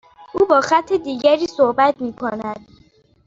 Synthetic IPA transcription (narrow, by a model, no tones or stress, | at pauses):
ʔuːbɒːxæt̪ʰːed̪iːɟæɾiːsohbæt̪ʰmiːkʰonæd̪̥̚